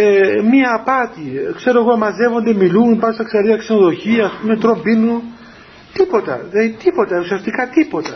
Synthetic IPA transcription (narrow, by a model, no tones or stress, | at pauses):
emiɐːpɐt̪ikse̞ɾo̞e̞ɣoɐmɐze̞vo̞nd̪emilunipɐɾsɐkseɾiɐkseno̞ðo̞çiɐːspume̞t̪ɾo̞mbinun | t̪ipo̞t̪ɐ̰ðet̪ipo̞t̪ɐusiɐst̪ikɐt̪ipo̞t̪ɐ